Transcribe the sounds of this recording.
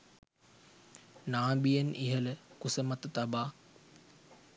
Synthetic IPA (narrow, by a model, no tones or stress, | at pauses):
naːbijənʔiɦələkusəmɐt̪t̪ɐbaː